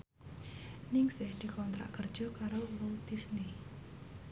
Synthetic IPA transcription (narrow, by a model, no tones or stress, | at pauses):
nɪŋsɛhd̪̥i̤kɔnt̪ɾa̰ʔkərd̥ʒ̥ɔ̤kaɾowot̪isne